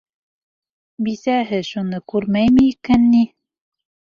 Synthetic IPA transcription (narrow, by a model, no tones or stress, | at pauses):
bisæɦɘʃunɤkʉɾmæjmɘikænːi